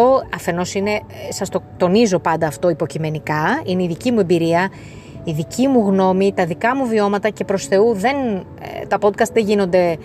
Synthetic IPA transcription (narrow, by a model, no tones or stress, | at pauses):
o̞ɐfe̞no̞sine̞ | sɐst̪o̞t̪o̞nizo̞pɐnd̪ɐːft̪o̞ipo̞cime̞nikɐineiðicimuembiɾiɐ | iðicimuɣno̞mit̪ɐðikɐmuvio̞mɐt̪ɐce̞pɾo̞sθe̞uðe̞n | t̪ɐpo̞d̪̚kɐst̪ðeʝino̞nd̪e̞